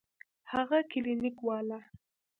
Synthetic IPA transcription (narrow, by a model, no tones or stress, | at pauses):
haɣakɪlinɪkwɑla